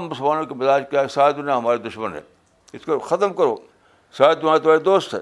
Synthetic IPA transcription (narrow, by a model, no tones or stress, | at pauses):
mːʊsəlmaːnõkimɪzaːd͡ʒkjaːɦɛsaːd̪ʊnẽɦɐmaːɾed̪ʊʃmənɦɛ̰ | ɪskoxɐt̪əmkɐɾoː | saːd̪ʊmaːet̪maːɾed̪oːst̪ɦɛ̰ː